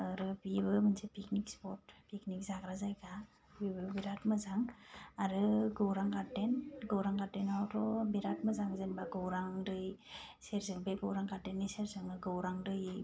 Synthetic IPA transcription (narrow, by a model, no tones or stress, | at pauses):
ɯɾɯbibɯmɯnsepiknikspɔt̚piknik̚zakɾazajɡa | bibɯbiɾatmɯzaŋaɾɯɡɯwɾaŋkatːenɡowɾaŋkatːenawtɔbiɾat̚mɯzaŋzenbaɡɯwɾaŋdɯjseɾzɯŋbeɡɯwɾaŋkadenːɯseɾzɯŋɯɡɯwɾaŋdɯj